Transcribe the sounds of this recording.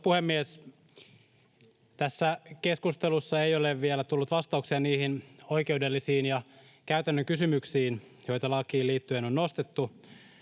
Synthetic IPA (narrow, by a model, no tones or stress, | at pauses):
puhemːies | t̪æsːækeskust̪elusːɑejoleʋʋielæt̪ulːut̪ʋɑst̪ɑuksiɑniːhinoikeudelːisiːnjɑ | kæyt̪ænːøŋkysymyksiːn | jo̞jt̪ɑlɑkiːliːt̪ːyenonnost̪et̪ːu